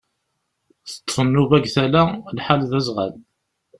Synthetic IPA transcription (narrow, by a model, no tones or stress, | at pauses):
θə̥t̪ˤːsˤənːuvæɡθælælħalðæzʁa̰l